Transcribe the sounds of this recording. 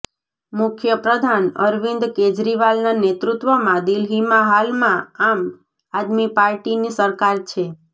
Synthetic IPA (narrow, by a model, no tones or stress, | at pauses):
mʊkʰjəpɾəd̪ʱanə̰ɾʋɪ̃nd̪ked͡ʒɾiʋalnanet̪ɾut̪ʋəmãd̪ilɦimaɦalmãam | ad̪mipaɾʈinisəɾkaɾt͡ʃʰe